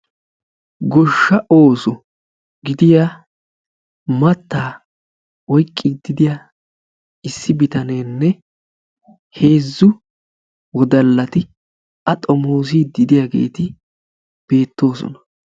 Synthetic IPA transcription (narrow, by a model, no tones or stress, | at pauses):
ɡɔʃːɐʔoːsɔ | ɡɪd̪ɪjaː | mɐt̪ːaː | wɔjkʼːɪd̪ɪd̪ɪja | ɪsːɪbɪt̪ɐneːnːɛ | he̞ːzːʊ | wɔd̪ɐlːɐt̪ɪ | ɐt̪ʼɔmo̞ːs̬id̪ɪd̪ɪjaɡe̞̰ːt̪ɪ | b̥e̞ːt̪ːo̞ːsɔ̰nɐ̥